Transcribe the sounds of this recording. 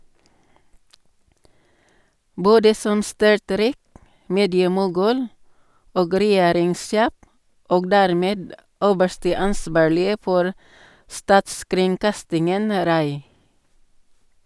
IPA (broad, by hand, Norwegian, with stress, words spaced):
ˈboːdə ˈsɔm ˈstʏɹˌtɾiːk ˈmeːdɪəmʊˌɡʉːl ˈoːɡ ɾɛˈjeːɾɪŋˌseː ˈoːɡ ˈdæɾˌmeːd ˈøːbəʃtə ˈɑnˌsbɑːɭɪə ˈfɔɾ ˈstɑːtskɾɪŋˌkɑstɪŋən ˈɾɑɪ